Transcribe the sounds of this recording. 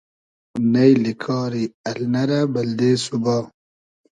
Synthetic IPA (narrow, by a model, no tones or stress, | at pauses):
nɐjlikʰɑːɾiɐlnɐɾabɐld̪eːsuba